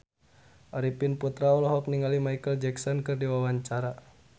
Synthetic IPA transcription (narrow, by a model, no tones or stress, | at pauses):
ʔaɾipinput̪ɾaɔlɔɦɔk̚niŋalimajkəld͡ʒɛksɔnkɨrdiwawaɲt͡ʃaɾa